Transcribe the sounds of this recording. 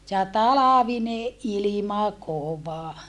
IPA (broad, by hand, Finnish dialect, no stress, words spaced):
jɑ tɑlɑʋineʔ ʔilimɑ koʋɑ